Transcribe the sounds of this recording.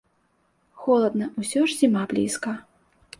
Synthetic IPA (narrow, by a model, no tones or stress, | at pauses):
xɔlˠɐd̪̚nɐusʲɔʐzʲimablʲḭskɐ